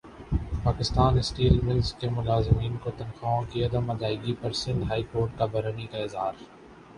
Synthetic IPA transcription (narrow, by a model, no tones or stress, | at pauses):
paːkɪst̪aːnɪsʈiːlmɪlskːemʊlaːzɪmiːnkot̪ɐnxaːõkiɐd̪əmɐd̪aːɪɡipɐɾsɪ̃nd̪ɦaːikoːɾʈ̚kabɐɾənikaɪzɦaːɾ